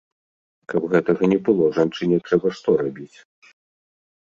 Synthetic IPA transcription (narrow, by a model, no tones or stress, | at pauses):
kɐbɣɛt̪ɐɣɐnʲɛbɨlˠɔʐant͡ʂɨnʲɛt̪ɾɛbɐʂt̪ɔɾabʲit͡sʲ